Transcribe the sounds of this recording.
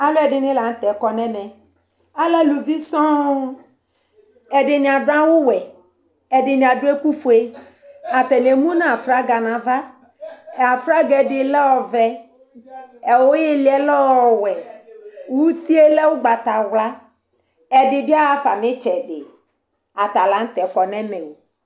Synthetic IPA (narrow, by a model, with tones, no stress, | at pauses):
a˨˦lo˦ɛ˨ɖɪ˨nɪ̃˦la˨n̩˦t̪ɛ˨kɔ˨nɛ̃˦mɛ˨ | a˦lɛ˦lu˨vi˦sɔ̃˦ | ɛ˨ɖɪ˨nĩ˨a˨ɖʊ˦a˦wʊ˦wɛ˨ | ɛ˨dɪ˨nĩ˨a˨ɖʊ˦e˦ku˦fo˨e˦ | a˨t̪ɛ˨n˨e˨mũ˦nã˦a˨fɾa˦ɡa˨nã˨va˦ | ɛ˨a˨fɾa˦ɡɛ˨dɪ˨lɛ˦wɔ˨vɛ˦ | ɛ˨wo˦je˦li˨˦ɛ˦lɔ˦wɔ˨wɛ˨wu˦t̪i˦e˦lɛ˦wʊ˦ɡ͡ba˨t̪a˨wla˦ | ɛ˨dɪ˨bi˦a˦a˨fa̰˨mɪ̃˦t͡ʃɛ˨ɖɪ̰˨ | a˨t̪a˨la˨˦ŋ̩˦t̪ɛ˨kɔ˨nɛ̃˦me˨o˨